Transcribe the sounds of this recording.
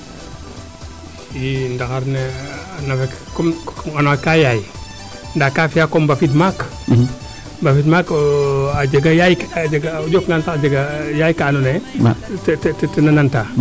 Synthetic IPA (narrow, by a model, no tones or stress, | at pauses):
jindakaɾnenafekkɔmanakajaji | ndakafijakɔmbafit̬mak | mbafitmakad͡ʒeɡajajkd͡ʒaɡad͡ʒokŋɡantad͡ʒeɡajajkaːnone | tttnananta